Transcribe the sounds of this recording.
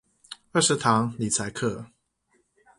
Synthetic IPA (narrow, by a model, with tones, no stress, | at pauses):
ə˥˩ʂɻ̩˨˦˥t̪ʰɑ˨˦ŋli˨˩t͡sʰa˧˦ɪkʰɤ˥˨